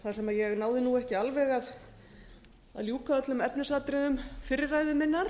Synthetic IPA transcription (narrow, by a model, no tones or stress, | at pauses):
θasɛmaðjɛɣnaːwðɪnuɛhcɪalvɛɣað | a̰ðljuːkaœt̪lʏmɛpnɪsat̪ɾɪðʏmfɪɾːɪraːjðʏmɪnːaɾ